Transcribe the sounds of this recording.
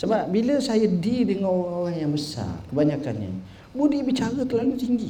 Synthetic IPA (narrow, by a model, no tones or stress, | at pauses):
səbap̚biləsajədidəŋanoɾaoɾahjaŋbəsa̰rkəbaɲakanɲə̰ | budibit͡ʃaɾət̪əlalut̪iŋɡi